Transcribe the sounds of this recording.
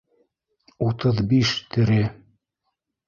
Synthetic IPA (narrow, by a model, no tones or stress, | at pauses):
ut̪ɤðbiʃt̪ɘ̆ɾɘ